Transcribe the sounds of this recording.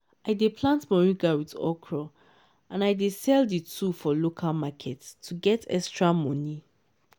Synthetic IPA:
aɪdepʰlãntmɔɹĩɡawitɔ̰kʰɹɔ | ʔãnaɪdesɛlditʰufɔlokʰalmakʰɛtʰːuɡɛtʰɛ̰kstɹamɔ̃ni

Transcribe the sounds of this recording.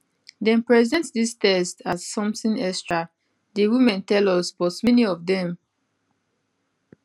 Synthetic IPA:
dɛ̃npɹɛzɛ̃ntdistɛstazːɔ̃mθĩnɛkstɹa | dewimɛ̃ntɛlɔsbɔtmɛniɔvdɛ̃m

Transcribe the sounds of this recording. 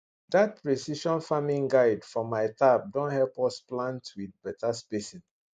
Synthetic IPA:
dat̚pɹesiʃɔ̃nfamĩŋɡaɪdfɔmaɪtap̚dõnhɛlpɔsplãntwidbɛtʰaspesĩ

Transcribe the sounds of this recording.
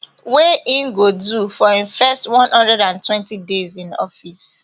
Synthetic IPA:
weʔĩnɡodufɔĩɱfɛstwɔ̃nhɔ̃ndɹɛdãntʰwɛ̃ntidezĩnɔ̰fis

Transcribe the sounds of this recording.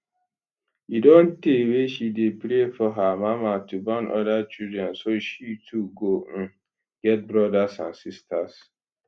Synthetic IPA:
jidõnteweʃidepɾefɔɦamamatubanʔɔ̰dat͡ʃildɹɛ̃nsoʃitʰuɡõ | ɡ̥ɛt̚bɹɔdasã̰nsistʰas

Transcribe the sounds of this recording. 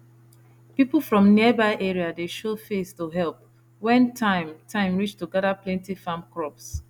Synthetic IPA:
pipl̩ˠfɹɔ̃mniɛbaɪʔɛɹiadeʃofestuɦɛlp̚ | wɛ̃ntʰãɪ̃mtʰãɪ̃mɹit͡ʃtuɡɛdaplɛ̃ntifãmkɹɔps

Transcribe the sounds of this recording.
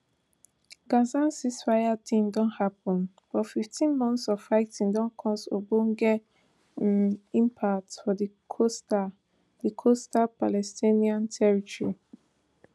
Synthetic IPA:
ɡazãnsisfajatʰĩmdɔ̃nhapɔ̃n | b̥ɔfiftʰĩnmɔ̃ntsɔvfaɪtĩndɔ̃nkʰɔ̃sobõnɡɛ | ĩmpʰak̚tfɔdi | kʰosta | dikʰostapalɛstĩniãntʰɛɹitɔɹi

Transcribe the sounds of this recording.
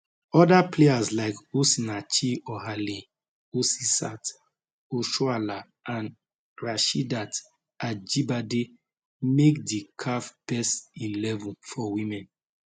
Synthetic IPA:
ɔdapleazlaɪkosinat͡ʃiɔɦalĩ | osisat | oʃuala | ãn | ɹaʃidat | ad͡ʒibade | mekdikʰafb̥ɛsilɛvɔ̃nfɔwĩmɛ̃n

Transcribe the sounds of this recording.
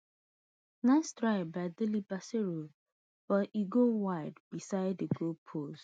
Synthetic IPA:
nãstɹaɪbaɪdɪlibaseɹo | b̥ɔiɡowaɪdbisaɪdəɡolpʰos

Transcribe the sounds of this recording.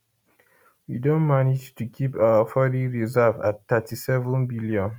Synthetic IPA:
widõnmanid͡ʒtukʰipawəfɔɾiɹizava̰ttatisɛvə̃nbiljɔ̃n

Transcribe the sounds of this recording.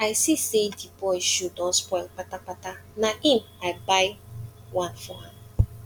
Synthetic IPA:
aɪsisedibɔɪʃudɔspɔɪlk͡patak͡patanaʔim̩aɪbaɪwãnfɔa̰m

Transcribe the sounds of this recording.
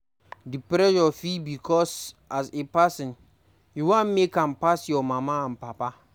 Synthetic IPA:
dipɾɛjɔfibikʰɔsasepasɪ̃n | juwãnmekãmpasjɔmãmãm̩papa

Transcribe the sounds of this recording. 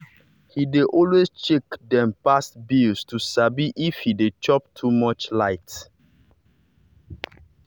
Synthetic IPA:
hideʔɔlwest͡ʃekdɛ̃mpastbilstusabiʔifhidet͡ʃɔp̚tʰumɔt͡ʃlaɪt

